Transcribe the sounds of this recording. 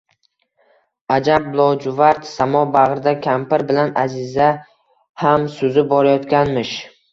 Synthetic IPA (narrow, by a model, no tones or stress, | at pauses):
ad͡ʒab̚blˠɒwd͡ʒʊvaɾt̪samɒbaʁɾɪd̪akʲʰampɪɾbɪlanazɪza | hamsʊzɪbɒɾajɒt̪kʲanmɪʃ